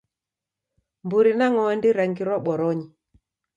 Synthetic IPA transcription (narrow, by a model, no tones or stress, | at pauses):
mbuɾinaŋɔɛndiɾaŋɡiɾwɔɓɔɾɔɲi